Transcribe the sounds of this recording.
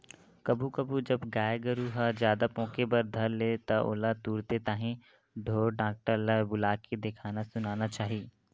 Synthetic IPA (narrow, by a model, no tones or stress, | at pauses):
kɐbʱukɐbʱud͡ʒɐbɡaːjɡəɾuɦad͡ʒjaːd̪apɔ̃ːkebɐɾd̪ʱɐɾleːt̪ɐʔo̰ːlat̪uːɾt̪et̪aːɦẽ | ɖʱoːɾɖãːk̚ʈəɾləbʊlaːked̪ekʰaːnasʊnaːnat͡ʃaːɦiː